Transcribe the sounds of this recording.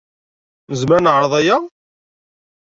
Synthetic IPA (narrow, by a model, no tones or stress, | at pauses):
nəzməɾnəʕɾˤəðˤæja